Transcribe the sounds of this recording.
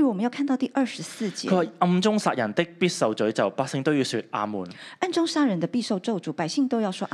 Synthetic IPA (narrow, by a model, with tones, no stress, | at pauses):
i˧wɔ˨˩ə˨˦jkʰa˥˧nt̪ɑ˥˧ʊt̪i˥˧ʔɐ˞˥˩ʂɻ̩˧˥sɹ̩˥˩t͡ɕjɛ̰˦kʰɵ˧˥waː˨˩ɐ˧mt͡sʊ˥ŋsaː˧t̚jɐ˨˩nt̪ɪ˥k̚piː˥t̚sɐ˨˧wt͡sɵ˨˥ɥt͡sɐ˨˩wpaː˥k̚sɪ˥ŋt̪o˥wji˧wsy̰˧t̚ʔa̰ː˨˧mṵː˨˩nʔa˥˩nʈ͡ʂʊ˥ŋʂa˥ɻə˧nd̪ə˧pi˥˧ʂo˥˧ʊʈ͡ʂo˥˧ʊt͡su˨˩pa˨˩ɪɕi˥˧ŋt̪o˥ʊjɑ˥˩ʊʂwɔ˥ʔ